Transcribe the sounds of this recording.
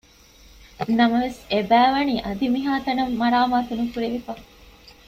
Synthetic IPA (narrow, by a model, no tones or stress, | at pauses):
nɐmɐʋesebæːʋɐniːʔɐd̪imiɦaːt̪ɐnɐmːɐɾaːmaːt̪unukuɾeʋifɐ